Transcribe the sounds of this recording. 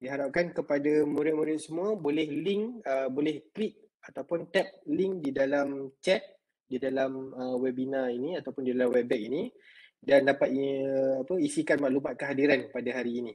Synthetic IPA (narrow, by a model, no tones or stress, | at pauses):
diɦaɾap̚kankəpadamuɾɪʔ̚muɾɪt̪̚səmũabolɛhliŋəbolɛht̪ɾik̚ | at̪awpʊnt̪ɛp̚liŋdidalamt͡ʃɛt̪̚ | didalaməwɛbinainiat̪awpʊndidalamwɛbɛʔini | dandapat̪iapəisikanmaʔlumat̪̚kəɦadiɾanpadaɦaɾiːni